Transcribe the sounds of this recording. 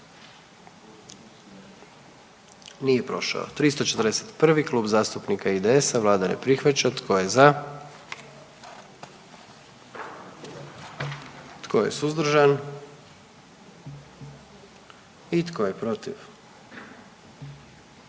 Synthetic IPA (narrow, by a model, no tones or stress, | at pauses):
nije̞pɾo̞̰ʃa̰o̰t̪ɾist̪o̞t͡ʃet̪əɾ̩d̪eset̪pr̩ʋikluːbzaːst̪upnikaid̪eesaʋlˠaːd̪anḛpɾixʋat͡ɕat̪kʰo̞jeza | t̪kʰo̞je̞̰suzd̪r̩ʒan | it̪koje̞pɾo̞t̪iʋ